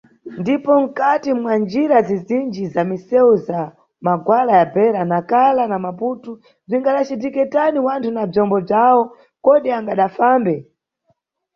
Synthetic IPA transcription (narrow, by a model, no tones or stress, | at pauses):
ndipɔm̩katimwand͡ʒiɾazizind͡ʒizamisɛuza | maɡwalajabɛɾanakalanamaputu | b͡ʐiŋɡaɗat͡ʃit̬ikɛtaniwantʰunab͡ʐɔmbɔb͡ʐawɔ | kɔɗiaŋɡaɗafaːmbɛ